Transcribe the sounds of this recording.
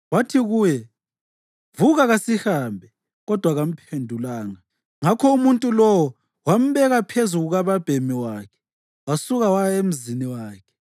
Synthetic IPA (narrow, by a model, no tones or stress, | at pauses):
watʰiɣujɛ | vuɣaɣasihaːmbʱɛ | ɣɔd̥ʱwaɣam̩pʰendʱulaːŋa | ŋakʰɔumuntʼulɔwɔ | wam̩βɛɣapʰezuɣuɣaβab̥ʱemiwaːkʰɛ̥ | wasuɣawajaem̩ziniwaːkʰɛ̥